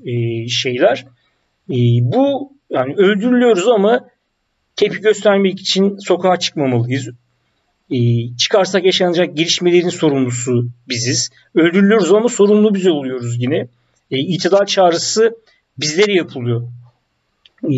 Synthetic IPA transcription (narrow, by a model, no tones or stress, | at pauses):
ʃe̞jlʲæɾ̥ː | bu | janiø̞lʲd̪yɾylʲyjo̞ɾuzama | cʰe̞pʰiɟø̞st̪ʰæɾmɛci̥t͡ʃʰinso̞kʰaɦat͡ʃʰɯ̥kmamalˠɯjɯz | t͡ʃʰɯ̥kʰaɾs̬akjaʃanɯd͡ʒak̚ɟeɾʲiʃme̞lʲe̞ɾinso̞ɾumlˠusubiziz̥ | ø̞lʲd̪yɾylʲyjo̞ɾuzamaso̞ɾumlˠubizo̞lˠujo̞ɾuzɟinɛː | ilt̪ʰid̪aɾt͡ʃʰaːɾɯsɯ | bizlʲe̞ɾijapʰɯlˠujo